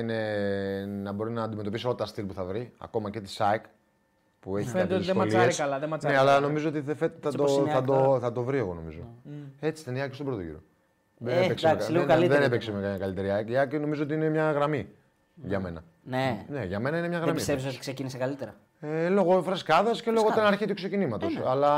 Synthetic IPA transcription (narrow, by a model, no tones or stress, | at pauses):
ine̞ | nɐbo̞ɾinɐːnd̪imet̪o̞pisiolɐt̪ɐst̪ilpuθɐvɾiɐ̰ko̞mɐce̞t̪i̥sɐek | pueçifent̪eot̪iðemɐliesɐlðemɐneɐlɐno̞mizoot̪iθefet̪θɐt̪oθɐd̪oθɐt̪o̞vɾie̞ɣo̞no̞̰mizoe̞t͡si̥st̪eniɐkest̪obɾo̞t̪o̞ʝḭɾo̰ | ðenepeksekslilðenepeksemɐkɐmɲɐkɐlit̪e̞ɾiɐkiɐkno̞mizoot̪iine̞mɲɐɣɾɐmi | ʝɐme̞nɐ̰ | nene̞ʝɐme̞nɐinemɲɐɣɾɐmisesot̪i̥ksecinisekɐlit̪eɾɐ | elo̞ɣofɾeskɐðɐscelo̞ɣot̪ɐnɐɾçit̪ukse̞cinimɐt̪osɐlɐ